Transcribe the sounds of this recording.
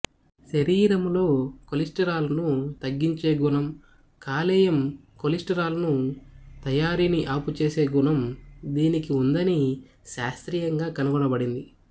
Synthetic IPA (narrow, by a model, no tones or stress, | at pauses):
ʃɐɾiːɾɐmlo̞ːkolisʈɐɾaːlɐnut̪ɐɡːiɲt͡ʃe̞ːɡunɐm | kaːlɛːjɐm | kolisʈɐɾaːlɐnut̪ɐjaːɾiːniʔaːput͡ʃe̞ːse̞ːɡunɐmd̪iːnikiund̪ɐni | ʃaːst̪ɾijɐŋɡaːkɐnuɡɐɳɐbɐɽind̪i